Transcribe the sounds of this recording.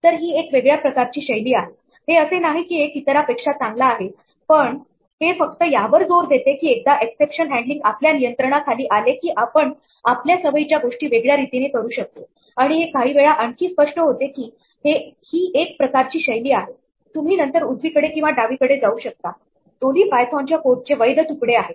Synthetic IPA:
t̪əɾɦiːekʋeɡɭjapɾəkaɾt͡ɕiːɕəjliːaɦe | ɦeəsenaɦiːkiːekit̪əɾapekʂat͡sãŋɡlaːɦe | pəɳ | ɦefək̚t̪əjaʋəɾd͡zoɾd̪ʱet̪ekiːek̚d̪aʔeksepʂənɦæ̃ɳɖliŋɡapljanijənt̪ɾəɳ̃akʰaliːʔalekiːʔapəɳ | apljasəʋəjit͡ɕjaɡoʂʈiːʋeɡɭjaɾit̪inekəɾuːɕək̚t̪e | aɽ̃iɦekaɦiːʋeɭaʔəɳkiːspəʂʈəɦot̪ekiː | ɦehiːʔek̚pɾəkaɾt͡ɕiːɕəjliːaɦe | t̪um̤iːnənt̪əɾud͡zʋiːkəɽekĩw̃ʋaɖaʋiːkəɽed͡zauːɕək̚t̪a | t̪oliːpajsʰɔ̃ɲt͡ɕjakoɾ̚t͡ɕeʋəjd̪ʱət̪ukɽeaɦe

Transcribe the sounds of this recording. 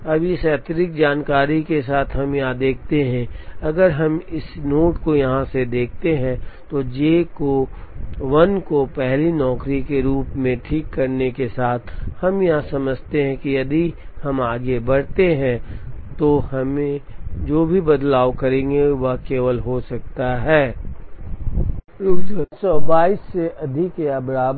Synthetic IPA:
ɐbjesɛːt̪ɾɪk̚d͡ʒaːnkaːɾikes̬aːt̪ʰɦɐmjãd̪eːkʰt̪eɦɛ̃ɐɡəɾɦɐmɪsnoːʈkojɐɦãsed̪eːkʰt̪eɦɛ̃t̪od͡ʒeːko | ʋɐnkopɛɦlinɔːkɾikeɾuːpmẽʈʰiːkːɐɾnekesaːt̪ʰhɐmjɐɦãsɐməd͡ʒʱt̪eɦɛ̃kijɐd̪i | hɐmaːɡebɐɽ̤t̪eɦɛ̃t̪ohɐmẽd͡ʒoːbʱibɐd̪laːʋkɐɾẽːŋɡeʋɐkeːʋəlɦosɐk̚t̪aɦɛː | ɾuːkd͡ʒəsɔbaːisːeʔɐd̪ʱɪkejabɐɾaːb

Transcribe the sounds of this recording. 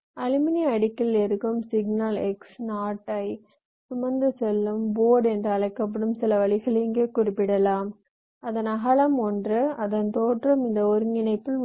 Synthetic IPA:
ɐɻɪmɪniɐɽɪkːɐlɛɾɯkːɯmsɪɡnaːlɛ̰ksnaːʈːɐɪ | sʊmɐnnd̪ɯsɛlːɯmboːɽɛndrɯɐɭɐɪkːɐp̬ːɐɽɯmsɪlɐʋɐɭɪɣɐɭɪŋɡeːkʊrɪpːɪɽɐlaːm | ɐðɐnɐɣɐɭɐmɔndrɯɐðɐnt̪oːʈrɐmɪnd̪ɐɔɾɯŋɡɪnɐɪpːɯl

